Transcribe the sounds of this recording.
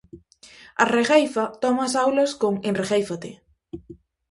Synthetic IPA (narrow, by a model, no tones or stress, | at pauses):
ɐ̰reɣejfɐt̪ɔmasawlɐskoŋenreɣejfat̪e